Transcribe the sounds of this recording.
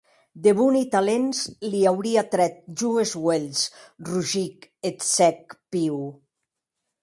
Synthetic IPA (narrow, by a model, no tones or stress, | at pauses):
d̪eβunit̪alenzliawɾiat̪ɾɛt̪̚ʒuezwelsruʒiket̪sɛk̚piw